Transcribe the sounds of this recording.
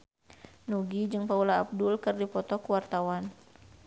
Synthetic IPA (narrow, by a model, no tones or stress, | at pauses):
nuɡid͡ʒɨŋpaulaːp̚dulkɨrdipɔt̪ɔkuwart̪awan